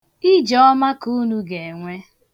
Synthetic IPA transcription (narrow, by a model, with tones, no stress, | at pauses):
i˦d͡ʒɔ˦ɔ˦ma˦ku˦nu˦ɡe˨ŋʷe˦